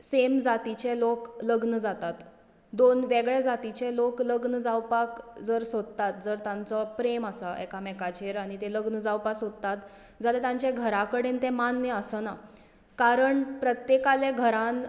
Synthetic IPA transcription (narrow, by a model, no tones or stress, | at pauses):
semd͡zat̪it͡ɕelokləɡnəd͡zat̪at̪ | d̪onʋeɡɭed͡zat̪it͡ɕelokləɡnəd͡zawpakd͡zəɾsod̪ət̪at̪̚d͡zəɾt̪ãnt͡səpɾeməsaʔɛ̰kamɛkat͡ɕeɾaɽ̃it̪eləɡnəd͡zawpaksod̪ət̪at̪ | d͡zalet̪ãɲt͡ɕjeɡʱəɾakəɽent̪ẽmanːjəəsəna | kaɾəɳpɾət̪jekaleɡʱəɾãn